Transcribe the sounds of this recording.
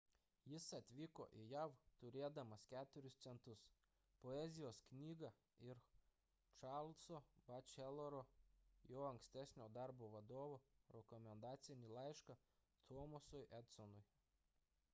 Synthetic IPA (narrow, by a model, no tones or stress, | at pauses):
jɪsɐt̪ʲʋʲɪko̰ːʔɪjæʊt̪ʊɾʲeːd̪ɐmɐskʲæːt̪ʊɾʲʊst̪sʲɛnt̪ʊs | pɔɛzʲɪjoːsknʲiːɡɐ | ɪɾ | t͡ʃɑɾlʲˠsobɐt͡ʃʲɛlˠoɾoːjoːɐŋksʲt̪ʲæsʲnʲoːd̪ɑɾboːʋɐd̪oːʋoɾʲɛkɔmʲɛnd̪ɑːt̪sʲɪnʲilˠɑˑɪʃkɐ | t̪ʰoːmɔsʊjʔɛt̪sɔnʊj